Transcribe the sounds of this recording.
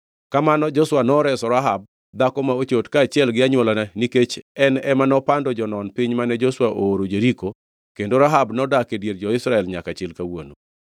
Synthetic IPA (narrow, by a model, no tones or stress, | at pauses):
kamanɔd͡ʒoswanɔɾɛsɔɾaɦab̚ | d̪akɔmaot͡ʃotkaːt͡ʃɪɛlɡɪaɲwolananiket͡ʃɛnɛmanɔpandɔd͡ʒɔnɔnpɪɲmanɛd͡ʒoswaʔoːɾod͡ʒeɾiko | kendoɾaɦabnɔdakedjeɾd͡ʒɔɪsɾaɛlɲakat͡ʃɛlkawono